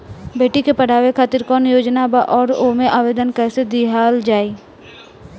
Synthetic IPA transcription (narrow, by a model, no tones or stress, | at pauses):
beːʈikepəɽ̤aːʋekʰaːt̪ɪɾkɔːnjoːd͡ʒnabaʔɔːɾoːmẽʔaːʋeːd̪ənkɛːsed̪iɦaːld͡ʒaːiː